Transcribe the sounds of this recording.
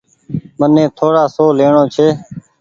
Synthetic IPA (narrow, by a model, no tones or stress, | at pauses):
mənẽːt̪ʰoːɽaːsoːleːɳoːt͡ʃʰeː